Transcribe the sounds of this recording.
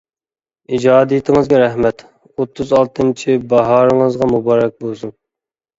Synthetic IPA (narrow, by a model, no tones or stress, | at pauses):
id͡ʒɑːd̪ijit̪ʰɪŋɨzɡʲɛɾɛhmɛt̪ | ot̪ʰːuzɑlˠt̪ʰɨmt͡ʃʰibɑɦɑːɾəŋəzʁɑmubɑːɾɛk̚ʲbolˠsun